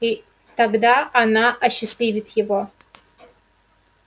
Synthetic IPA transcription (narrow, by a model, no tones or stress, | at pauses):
i | taɡd̪aʔanaʔɐɕːɪslʲivʲɪtʰjɪvo̞